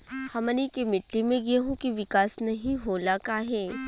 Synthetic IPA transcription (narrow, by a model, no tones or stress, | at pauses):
hɐmənikemɪʈːimẽɡeɦõkiʋɪkaːsnɐɦĩɦoːlakaːɦɛː